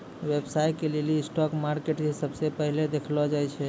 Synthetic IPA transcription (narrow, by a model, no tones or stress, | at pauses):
ʋebsajkelelisʈɔkmaɾkeʈd͡ʒisəbsepəɦiled̪ekʰlɔd͡ʒajt͡ʃʰɛ